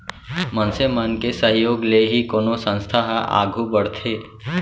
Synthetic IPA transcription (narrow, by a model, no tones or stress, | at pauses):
mənsemənkesəɦjoːɡleɦikoːnosə̃nst̪ʰaɦa̰ːɡʱubəɽt̪ʰeː